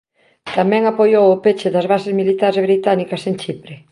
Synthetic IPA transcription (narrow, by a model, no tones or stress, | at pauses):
t̪amɛ̃ŋapojowʊpet͡ʃɪðɐzβasezmilit̪aɾzβɾit̪anikɐsent͡ʃipɾe